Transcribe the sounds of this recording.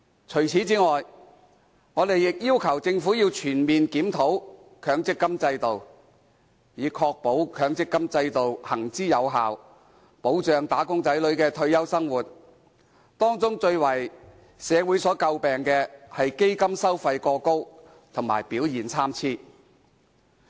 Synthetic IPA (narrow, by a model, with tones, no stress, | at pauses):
t͡ʃʰɵ˨˩ɥt͡sʰiː˨˥t͡siː˨˥ŋɔː˨j | ŋɔː˨˧t̪e˨jɪ˨k̚jiː˥wkʰɐ˨˩wt͡sɪ˧ŋfuː˨˥jiː˧wt͡ʃʰyː˨˩nmiː˨nkiː˨˥mt̪ʰo˨˥w | kʰœː˨˧ŋt͡sɪ˥kːɐ˥mt͡sɐ˧jt̪o˨w | jiː˨˧kʰɔː˧k̚po˨˥wkʰœː˨˧ŋt͡sɪ˥kːɐ˥mt͡sɐ˧jt̪o˨whɐ˨˩ŋt͡siː˥jɐ˨˧wɦa̰ː˨w | po˨˥wt͡ʃœː˨ŋt̪aː˨˥kʊ˥ŋt͡sɐ˨˥jlɵ˨˧˥kɛː˧t̪ʰɵ˧ɥjɐ˥wsɐ˥ŋwuː˨˩t̚ | t̪ɔː˥ŋt͡sʊ˥ŋt͡ʃɵ˧ɥwɐ˨˩j | sɛː˨˧wuː˨˥jsɔː˨˥kɐ˧wpɛː˨ŋkɛː˧hɐ˨jke˥jkɐ˥msɐ˥wfɐ˧jkɔː˧ko˥w | t̪ʰʊ˨˩ŋma̰ː˨˩jpiː˨˥wjiː˨˩nt͡sʰaː˥mt͡sʰiː˥